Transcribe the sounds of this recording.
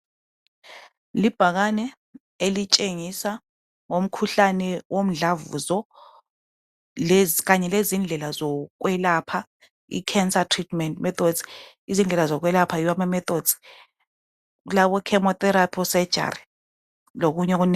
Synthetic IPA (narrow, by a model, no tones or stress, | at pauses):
lib̥ʱak̬anɛ | elit͡ʃʼeŋisa | ŋom̩kʰuɬanɛwom̩ɮavṵzɔ | lk̬aɲɛlezind͡ɮʱɛlazɔk̬wɛlapʰa | ḭkʰɛnsatʰritʰmɛntmɛθʰod̥z̥i | izind͡ɮʱɛlazɔk̬wɛlapʰaiwamamɛtod̥z̥i̥ | ulaɓɔkʰɛmɔtʼɛɾapʰɔsɛ̥d͡ʒ̥ʱa̰ri | lok̬uɲɛk̬un